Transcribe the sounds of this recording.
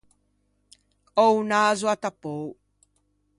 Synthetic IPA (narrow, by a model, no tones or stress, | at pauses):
ownaːzuatapow